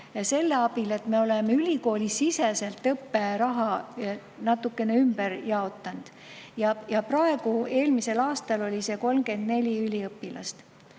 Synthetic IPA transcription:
se̞lːeɑbile̞t̪me̞o̞lemeylʲiko̞ːlʲisːisese̞lt̪ːɤpːe̞ɾɑɦɑ | nɑt̪ːukːˑe̞neymb̥eɾjɑo̞t̪ːˑɑnd̪̥ | jɑjɑprɑe̞ɡ̥ue̞ːlmise̞lɑːst̪ɑlo̞lʲise̞ko̞lmɡe̞nd̪̥ne̞lʲiylʲiɤpːilɑ̰st̪

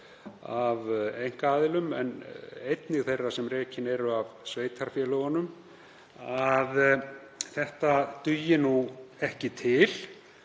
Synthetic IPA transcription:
avejŋ̥kaaːðɪlʏmɛ̰nejt̪nɪɣθejrːasɛmreːcɪnɛɾʏavsveːjt̪ʰaɾ̥fjɛːlœɣɔnʏm | að | θɛht̪at̪ʏjɪnuɛhcɪt̪ʰɪl̥

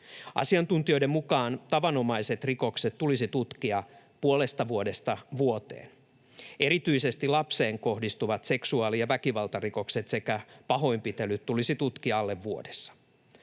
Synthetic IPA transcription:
ɑ̰siɑnt̪unt̪io̞jde̞mmukɑːnt̪ɑʋɑno̞mɑiset̪riko̞kset̪tːulisit̪ut̪kiɑ | puole̞st̪ɑʋuode̞st̪ɑʋuot̪e̞̰ːn | e̞ɾit̪yise̞st̪ilɑpse̞ːŋko̞hdist̪uʋɑt̪se̞ksuɑːlijɑʋækiʋɑlt̪ɑriko̞kset̪se̞kæpɑɦo̞impit̪elyt̪tːulisit̪ut̪kiɑɑlːe̞ʋːuodesːɑ̥

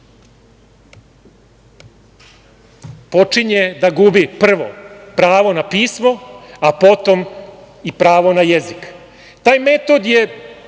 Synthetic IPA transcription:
po̞t͡ʂiɲed̪aɡubipr̩ʋo̰pɾaːʋo̞napiːsmo̞apo̞t̪o̞m | ipɾaːʋo̞najezik | t̪aːjmet̪o̞d̪je

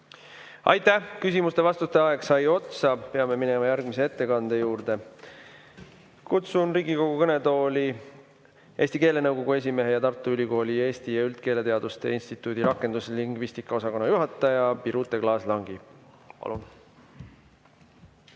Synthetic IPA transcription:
ɑ̰jt̪ːækys̬ʲimust̪e̞vɑst̪ut̪e̞ɑe̞ksɑjo̞t̪sɑpe̞ɑme̞mine̞mɑjærɡ̥mise̞e̞t̪ːe̞kɑnd̪̥e̞juːrd̪̥e̞ | kut̪sunriːɡ̥iko̞ɡ̥ukɤne̞t̪o̞ːli | e̞ːst̪ike̞ːle̞nɤwko̞ɡ̥ue̞s̬ʲime̞ɦejɑt̪ɑrt̪ːˑuylʲiko̞ːlie̞ːst̪ijɑylt̪̚ke̞ːle̞t̪eɑd̪ust̪e̞̰insʲt̪it̪ːˑuːd̪iɾɑkːˑe̞nd̪usliŋɡ̥vist̪ikːˑɑo̞sɑko̞nːɑjuɦɑt̪ːˑɑjɑpiɾut̪ːˑe̞klɑːslɑŋɡi | pɑ̰lṵn

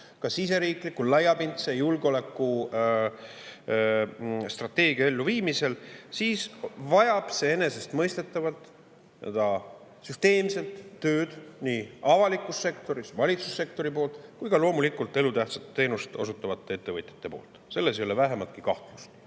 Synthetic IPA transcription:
kɑsise̞ɾiːklikːˑullɑjːɑpint̪sejulɡeo̞le̞kːˑu | st̪rɑt̪ːe̞ːɡ̥iɑe̞lːuviːmise̞lsiːsvɑjɑb̥se̞ene̞se̞st̪mɤjst̪e̞t̪ːˑɑvɑlt̪ˑ | nḛd̪ɑ | syst̪e̞ːmse̞lt̪ːø̞ːd̪̥niːɑvɑlikːˑusːe̞kt̪o̞ɾisvɑlʲit̪su̥sːe̞k̚t̪o̞ɾipo̞ːlt̪ˑkujkɑlo̞ːmulikult̪ˑe̞lut̪æht̪sɑt̪ːe̞ːnust̪o̞sut̪ːˑɑvɑt̪ːˑe̞e̞t̪ːe̞vɤjt̪ʲjɑ̥t̪ːˑepo̞̰ːlt̪ːˑse̞lːe̞s̬ejo̞levæɦe̞mɑt̪̚kikɑht̪lust̪

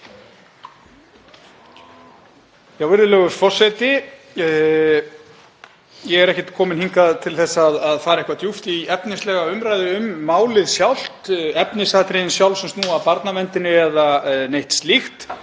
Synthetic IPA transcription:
jawvɪɾðʏlœːɣʏɾfɔr̥sajt̪ɪ | jɛɣɛɾɛhcɪt̪kʰɔːmɪnhiŋkaðt̪ʰɪlθɛsːaːðaðfaːɾehkvat̪juft̪iɛpnɪslɛːɣaʏmɾajðɪʏmːaːwlɪðsjawl̥t̪ɛpnɪsat̪ɾɪɪnsjawlsɛmst̪nuːapaɾt̪namɛnt̪ɪnɪɛðanejht̪st̪lixt̪

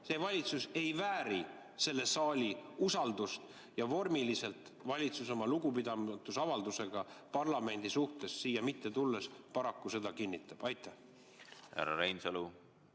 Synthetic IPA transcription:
se̞ːvɑlʲit̪suse̞jvæːɾi | se̞lːesɑːlʲiusɑld̪ust̪ | jɑvo̞rmilise̞lt̪ˑ | vɑlʲit̪suso̞mɑluɡupid̪ɑmt̪ːusɑvɑld̪use̞ɡ̥ɑpɑrlɑme̞nʲd̪̥isuht̪e̞sːiːjɑmit̪ːe̞t̪ulːe̞spɑɾɑkːuse̞d̪ɑkinʲːit̪ːˑɑb̥ɑjt̪ˑːæh | hæ̰ɾɑ̰ɾejnsɑlu

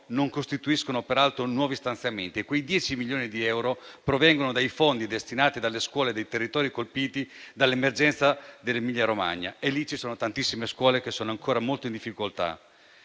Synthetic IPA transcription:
noŋkost̪it̪uiskonopeɾalt̪ɾonwɔːvist̪ant̪sjament̪iekwejd̪jɛːt͡ʃimiljoːnid̪iɛwɾopɾovɛŋɡonod̪ajfond̪id̪est̪inaːt̪id̪alːeskwɔːled̪ejt̪erːit̪ɔːɾikolpiːt̪id̪alːemerd͡ʒɛnt̪sad̪elːemiʎːaɾoma̰ɲːa̰elːit͡ʃisoːnot̪ant̪isːimeskwɔːlek̟esːoːnoaŋkoːɾamolt̪oind̪ifːikolt̪a̰

